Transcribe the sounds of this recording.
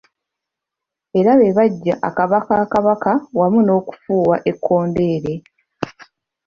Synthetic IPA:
e̞ɾaβe̞βaɟːaʔakaβakaːkaβakawamuno̞ːku̥fuːwaʔe̞kʰːo̞ːnde̞ːɾe̞

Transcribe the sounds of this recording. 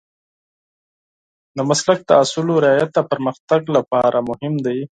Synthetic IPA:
d̪əmaslak̚d̪əasuloɾɪɑjat̪apəɾməxt̪aɡlapɑɾʔamʊhɪmd̪aj

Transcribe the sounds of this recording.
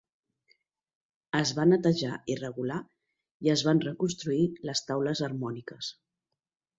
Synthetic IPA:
əzβanət̪əʒaʔirəɣula | iəzβanrəkunst̪ɾuiləst̪awləzərmɔnikəs

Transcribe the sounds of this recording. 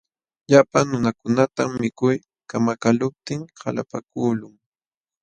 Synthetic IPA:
ʎapaŋnʊnakʊnat̪amːɪkʊj | kamakalʊp̚t̪ɪŋhala̰pakuːlʊŋ

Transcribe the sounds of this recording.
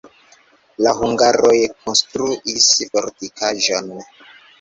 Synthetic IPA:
lahuŋɡaɾojkonstɾuʔisfoɾtikʰaʒon

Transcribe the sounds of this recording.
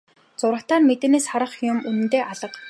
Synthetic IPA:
t͡sʊɾə̆t̪aːrmet̪ĕːneːsχaɾə̆χjʊmunɘ̆nt̪eːʔaɮə̆q

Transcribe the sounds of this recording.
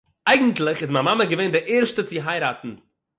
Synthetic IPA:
aɪɡŋ̩tlˠɪχɪsmamaməɡəveɪndɪɾʔeːɾʃtət͡sɪɦaɪɾaːtn̩

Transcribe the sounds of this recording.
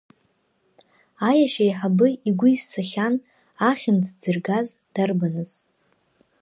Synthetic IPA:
ajaʃajħabɨiɡʷʊizːaχʲan | aχʲɪmd͡zʰd͡zɨrɡazd̥arbanɨz̥

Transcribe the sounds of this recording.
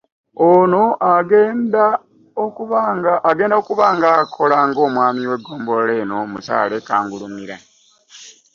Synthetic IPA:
ono̞ʔaɡeːnda | okuβaɡaaɡe̞ːndaokuβaːŋɡakʰo̞laŋɡo̞ːmwaːmiwe̞ɡːo̞ːmbo̞leno̞musa̰ːlekaːŋɡulumiɾa̰

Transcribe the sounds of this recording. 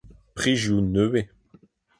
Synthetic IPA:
pχiʒjunøe

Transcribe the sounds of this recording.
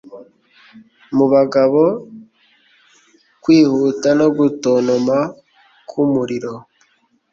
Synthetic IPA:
muβaɡaβo̞ | kwiːhutano̞ɡutoːnoma | kʰumuɾiɾo̞

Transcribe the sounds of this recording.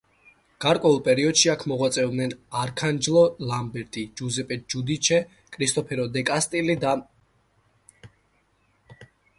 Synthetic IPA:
ɡ̥aɾkʼwɛulˠpʼɛɾiɔd̪ʃiakʰmɔʁwat̪sʼɛvd̪nɛnaɾkʰand͡ʒlˠɔlambɛɾt̪ʼid͡ʒuzɛpʼɛt̪̚d͡ʒud̪it͡ʃʰɛ | kʼɾist̪ʼɔpʰɛɾɔd̪ɛkʼast̪ʼilid̪a

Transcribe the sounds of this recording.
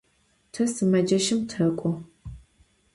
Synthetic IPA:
tʰɐsɨmɐd͡ʒɐʃɪmtʰɐkʷʼɔ

